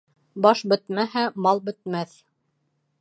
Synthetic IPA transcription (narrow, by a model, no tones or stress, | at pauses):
bɑʃbɘ̆t̪mæɦæmɑlˠbɘ̆t̪̚mæθ